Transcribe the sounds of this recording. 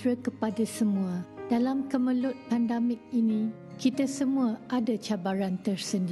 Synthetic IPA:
ɾəkəpadasəmũad̥alamkəmə̃lʊt̪̚pandamɪk̚inĩ | kit̪asəmũaʔadat͡ʃabaɾant̪ərsənd

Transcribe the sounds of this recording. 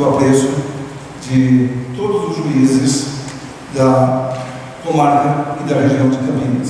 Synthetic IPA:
apɾesʊ | d͡ʒɪt̪od̪ʊzʊzʒuizɪs | d̪ɐ | komaɾkɐid̪ɐreʒiõw̃d͡ʒɪkɐbinɐs

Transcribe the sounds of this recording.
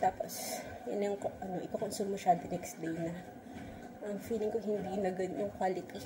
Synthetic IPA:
t̪aːpo̰s | jɐnɐjʊŋkʔɐnoʔɪkɐkonsummɐʃɐd̪ɐnɛks̚d̪ejnɐ | ʔɐŋfiːlɪŋkohɪnd̪inɐɡɐd̪jʊŋkwaːlɪt̪i

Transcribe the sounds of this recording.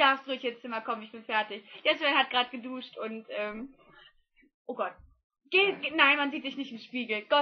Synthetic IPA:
d̥aɐfstd̥ʊçɪnt͡st͡sɪmɐkʰɔmənɪçb̥ɪnfɛɐtɪçd̥ɛsvɛnhat̚ɡ̥ʁaːt̚ɡ̥əduːʃtʊntʔɛːm | ʔoːɡɔt̚ | ɡ̥eːɡnaɪnmanziːtz̥ɪçnɪçtɪmʃpiːɡl̩ɡ̥ɔ

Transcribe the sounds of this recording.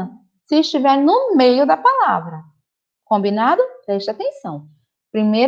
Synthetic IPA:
ɐ̃ | sɪɪʃt͡ʃivɛɾnʊmejʊd̪ɐpalavɾɐ | kõmbinad̪ʊpɾɛʃt̪ɐat̪ẽsɐ̃w̃ | pɾĩmej

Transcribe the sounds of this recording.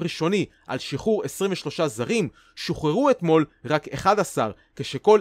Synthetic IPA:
ʁiʃo̞ni | a̰lʃiχuʁesʁimveʃlo̞ʃazaʁim | ʃoχeʁuet̪mo̞lʁakeχad̪asa̰ʁ | keʃeko̞l

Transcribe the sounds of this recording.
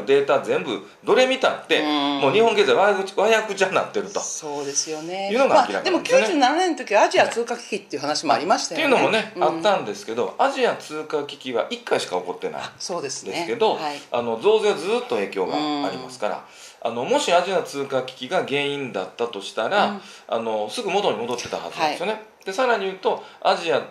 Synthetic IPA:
d̪e̞ːt̪azẽ̞mbɯ̟ | d̪o̞ɾe̞mʲit̪at̪ːe̞mo̞ːɲ̟ihõŋɡe̞zaiβakɯβajakɯ̟t͡ɕãna̰t̪ːe̞ɾɯ̟t̪o̞soːd̪esɨjonejɯːnoɡaakʲiɾaked̪emokkʲjɨːned͡ʒɨːnaɾanẽnt̪okʲiaaʑiat͡sɨːkakʲi̥kʲit̪ːe̞iɯ̟ɦanaɕimoaɾʲimaɕit̪ajeiɯ̟no̞mo̞ne̞at̪ːãnd̪e̞sɨ̥ke̞d̪o̞aʑiat͡sɨːkakʲi̥kʲiβa̰ʔikːaiɕi̥kaoko̞t̪ːe̞̰na̰ḭsoːd̪esɨnd̪esɨke̞d̪o̞aia̰no̞zo̞ːzead͡zɨːt̪ːo̞e̞ːkʲo̞ːɡa̰ːɾʲimasɨ̥kaɾa̰ | a̰no̞mo̞ɕiaʑiat͡sɨːkakʲi̥kʲiɡaɡẽ̞ːĩnd̪at̪ːat̪o̞ɕi̥t̪aɾa | a̰no̞sɨɡɯ̟mo̞t̪o̞ɲ̟imo̞d̪o̞t̪ːe̞t̪aha̰zɨa̰desjone̞d̪̥e̞saɾaɲ̟ijɯ̟ːt̪o̞aʑia

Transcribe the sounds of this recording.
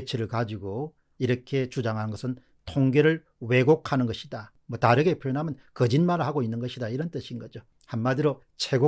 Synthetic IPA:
t͡ɕʰiɾɯɭkad͡ʑiɡo | iɾʌkʰe̞t͡ɕud͡ʑaŋɦanɯnɡʌsʰɯn | tʰoŋɡeɾɯɭ | we̞ɡokʰanɯnɡʌɕʰida | mwʌtaɾɯɡepʰjojonɦamjʌnkʌd͡ʑinmaɾɯɭhaɡoinːɯnɡʌɕʰidaiɾʌnt͈ɯɕʰinɡʌd͡ʑo | hanmadɯɾo | t͡ɕʰe̞ɡo

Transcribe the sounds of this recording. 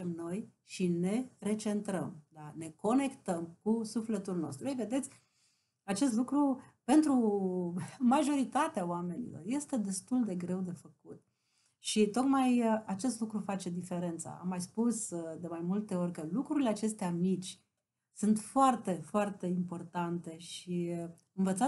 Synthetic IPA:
emno̞jʃine̞re̞t͡ʃe̞nt̪ɾəmd̪ane̞ko̞ne̞kt̪əmkusufle̞t̪ulno̞̰st̪ɾuojve̞d̪e̞t̪sʲ | at͡ʃe̞st̪lukɾupe̞nt̪ɾu | maʒo̞ɾit̪at̪eaoame̞nḭlo̞̰rje̞st̪e̞d̪e̞st̪uld̪e̞ɡɾe̞wd̪e̞fəkut̪ | ʃit̪o̞kmajat͡ʃe̞st̪lukɾufat͡ʃe̞d̪ife̞ɾe̞nt̪sa̰a̰mːajspusd̪e̞majmult̪e̞o̞ɾʲkəlukɾuɾileat͡ʃe̞st̪eamit͡ʃʲ | sunt̪foart̪e̞foart̪e̞impo̞rt̪ant̪e̞ʃi | ɨnvət̪sa

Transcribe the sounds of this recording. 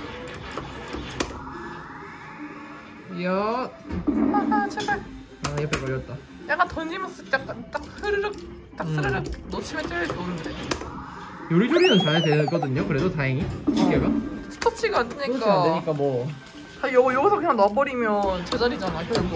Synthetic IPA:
jʌ | aat͡ɕʰepa | ajʌpekʌɭjʌt̚t͈a | jak͈antʌnd͡ʑimʌns͈ɯjakk͈ant͈ak̚sɯɾɯɾɯk̚ | t͈asɯɾɯɾɯk̚not͡ɕʰimjent͈ɯɭɯɭtonɯnde | joɾid͡ʑoɾinɯnt͡ɕadeɡʌdɯɲokɯɾe̞dotaiŋit͡ɕʰiɡeɡasʰɯ̥tʰʌt͡ɕʰiɡaansʰɯɲik͈aɲik͈amwʌ | ajʌɡjʌɡisʰʌkɯɲaŋnʌbʌɾimjʌnt͡ɕed͡ʑʌɾid͡ʑanakoa

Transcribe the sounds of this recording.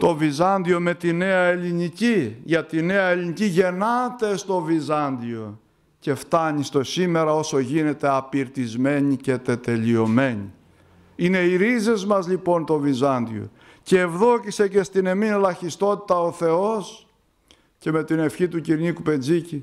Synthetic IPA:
t̪o̞vizɐnd̪io̞me̞t̪ine̞ɐe̞liɲiciʝɐt̪ine̞ɐeliɲiciʝe̞nɐt̪e̞st̪o̞vizɐnd̪io̞ | ce̞ft̪ɐɲist̪o̞sime̞ɾɐo̞so̞ʝine̞t̪e̞ɐpiɾt̪izme̞ɲice̞t̪e̞t̪e̞lio̞me̞ɲḭ | ine̞iɾize̞zmɐzʎipo̞nt̪o̞vizɐnd̪ḭo̞̰ | ceːvðo̞cise̞ce̞st̪ine̞minlɐçist̪o̞t̪it̪ɐoθe̞o̞s | ce̞me̞t̪ine̞fçit̪uciɾɲikupe̞nd͡zici

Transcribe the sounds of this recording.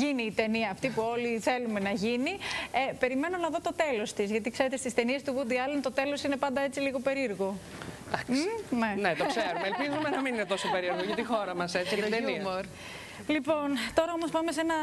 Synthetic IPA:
iniːt̪e̞niɐːft̪ipuo̞liθe̞lume̞nɐʝiniepe̞ɾime̞no̞nɐðo̞t̪o̞t̪e̞lo̞st̪izʝɐt̪ikse̞ɾet̪est̪ist̪e̞nie̞st̪uɣud̪iɐlent̪o̞t̪e̞lo̞sine̞pɐnd̪ɐe̞t͡siliɣo̞pe̞ɾiɾɣo | d̪̥ɐksnenet̪okseɾumeelpizumenɐmininet̪o̞sope̞ɾieɾɣoʝɐt̪ixo̞ɾɐmɐset͡sit̪eumoɾ | lipo̞nt̪o̞ɾɐomo̞spɐme̞senɐ

